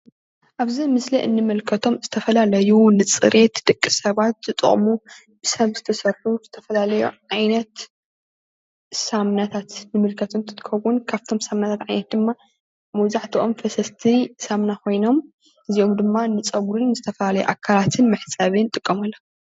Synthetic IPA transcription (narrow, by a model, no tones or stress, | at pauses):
ʔaβzimɨsliʔɨ̰nːɨmɨlkʰɐt̪ʰo̞mzɨt̪ʰɐfɐlalɐjunɨt͡sʼɨ̰ɾʔe̞t̪d̪ʼɨkʼːɨsɐβat̪̚z̥ɨt̪ʼɨ̰χʼmu | b̥ɨsɐβzɨt̪ʰɐsɐrħuz̥ɨt̪ʰɐfɐlalɐjṵʕajnɐt̪ | samnat̪ʰat̪nɨmɨlkʰɐt̪ʰɨnt̪ʰɨt̪ʼɨkɐwunkʰaβt̪ʰo̞msamnat̪ʰat̪ʕajnɐt̪̚d̪ɨmːa | mɐβzaħt̪ʰiʔomfɐsɐst̪ʰisamnakʰo̞jno̞m | ʔɨzio̞md̪ɨmːanɨt͡sʼɐɡuɾɨnːɨzɨt̪ʰɐfɐlalɐjṵʔa̰kʰːalat̪ʰɨnmɨħsʼaβɨnt̪ʼɨkʼːɐmɐlːɐ